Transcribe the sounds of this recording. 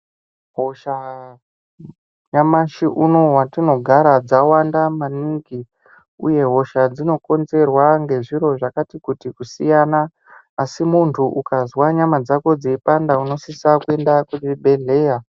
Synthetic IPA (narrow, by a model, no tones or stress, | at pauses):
ɦoʃa | ɲamaʃiʔuno̞watino̞ɡʱaɾad͡zawandamaniŋɡi | ṵje̞ɦo̞ʃad͡zino̞ko̞nze̞rwaŋɡe̞ʐiɾo̞ʐakatikutikusijanaː | simuntʰuʔukazwaɲamad͡zako̞d͡zeipandauno̞sisakue̞ndakuibʱe̞ɮe̞ːja